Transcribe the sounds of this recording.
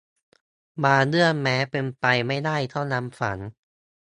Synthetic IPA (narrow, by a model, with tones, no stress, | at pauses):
maː˧nɯ˥˩ənmɛː˦˥pe˧npa˧jma˥˩jdaː˥˩jt̪ʰa˥˩wna˦˥mfa̰˩˦n